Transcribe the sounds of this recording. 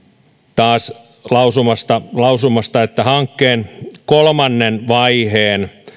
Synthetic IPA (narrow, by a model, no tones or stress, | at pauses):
t̪ɑːs | lɑusumɑst̪ɑlɑusumɑst̪ɑet̪ːæhɑŋkːeːnkolmɑnːenʋɑiheːn